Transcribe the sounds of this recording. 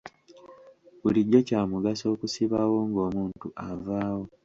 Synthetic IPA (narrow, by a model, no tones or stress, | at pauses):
βuliɟːo̞caːmuɡaso̞ːkusiβawo̞ŋɡo̞ːmuːntuʔavaːwo̞